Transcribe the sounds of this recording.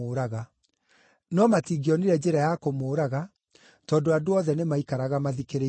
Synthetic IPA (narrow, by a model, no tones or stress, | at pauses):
oːɾaɣa | nɔmatiɡiɔniɾɛd͡ʑeɾajakomoːɾaɣa | tɔːndoadoɔðɛnemaikaɾaɣamaðikeɾe